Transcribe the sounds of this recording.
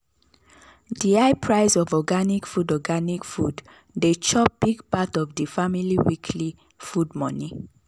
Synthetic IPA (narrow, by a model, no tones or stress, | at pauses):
diaɪpʰɹaɪsɔvɔɡanikfudɔɡanikfud | det͡ʃɔp̚b̥iɡpatɔvdifamiliwikʰli | fudmɔ̃ni